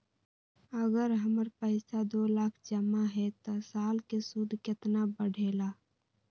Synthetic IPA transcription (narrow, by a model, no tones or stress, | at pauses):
əɡəɾɦəməɾpəɪsad̪oːlaːkʰd͡ʒəmaɦɛt̪ɔsaːlkesud̪ʱkɪt̪nabəɽʱela